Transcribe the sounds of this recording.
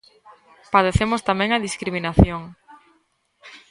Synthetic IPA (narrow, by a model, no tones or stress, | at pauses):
paðeθemʊst̪amɛ̃ŋɐðiskɾiminaθjoŋ